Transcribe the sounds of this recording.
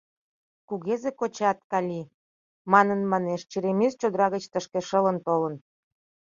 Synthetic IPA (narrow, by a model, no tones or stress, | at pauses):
kuɣezekot͡ɕɑt̪̚kɑlʲi | mɑnənmɑneʃt͡ɕiɾemest͡ɕod̪əɾɑɣət͡ɕt̪əʃkĕʃə̆lənt̪olə̆n